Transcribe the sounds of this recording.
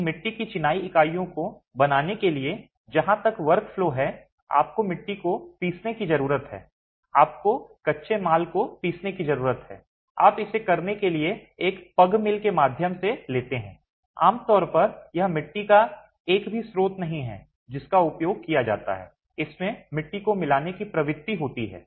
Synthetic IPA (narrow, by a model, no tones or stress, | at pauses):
mɪʈːikit͡ʃɪnaːiɪkaːijõko | bɐnaːnekelie | d͡ʒɐɦãt̪ɐkʋɐɾkfloːɦɛ | a̰ːp̚komɪʈːikopiːsnekizɐɾuːɾət̪ɦɛ̰ː | aːp̚kokɐtːʃʰemaːlkopiːsnekizɐɾuːɾət̪ɦɛ̰ː | aːpɪsekɐɾnekelieːkpɐɡmɪlkemaːd̪ʱjəmseleːt̪eɦɛ̃ː | a̰ːmt̪ɔːɾpɐɾjɐɦmɪʈːika | eːkbʱisɾoːt̪nɐɦĩɦɛ̰ː | d͡ʒɪskaʊpjoːɡ̚kijad͡ʒa̰ːt̪a̰ɦɛ̰ː | ɪsmẽmɪʈːikomɪlaːnekipɾɐʋɪd̪t̪ːiɦoːt̪iɦɛ̰ː